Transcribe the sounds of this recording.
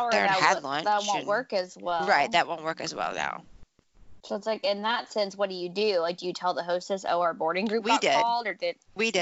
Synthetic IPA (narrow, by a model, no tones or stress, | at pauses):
əðə̃˞ælãɪ̃ðət̚wõʊ̃nʔwɜ˞kɨzwɛlˠɹaɪt̪̚ðɨt̚wõʊ̃nʔwɜ˞kɨzwɛ̰lˠna̰ʊ | soʊətslaɪkɪ̃nðətsɛ̃nswʌt̚d̥ɨjɨdɨlaɪk̚d̥ɨjɨtʰɛlˠðəɦoʊstɨso̰ʊa˞bɔɹɾɪ̃ŋɡɹʉpwidɪdɔ̥lˠdə˞dɪd | widɪ